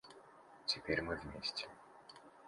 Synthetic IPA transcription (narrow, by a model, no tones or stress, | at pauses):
tʲɪpʲerʲmɨvmʲesʲtʲɪ̥